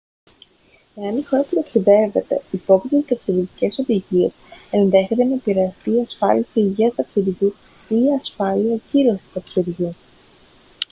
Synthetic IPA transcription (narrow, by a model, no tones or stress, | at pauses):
e̞ɐnixo̞ɾɐput̪ɐksiðe̞ve̞t̪e̞ipo̞pit̪it̪ɐksiðit̪ice̞so̞ðiʝie̞se̞nðe̞çe̞t̪e̞nɐepiɾe̞ɐst̪iːɐsfɐ̰liɐseiʝiɐst̪ɐksiɾʝu | iːɐsfɐliɐciɾo̞si̥st̪ɐksiɾʝu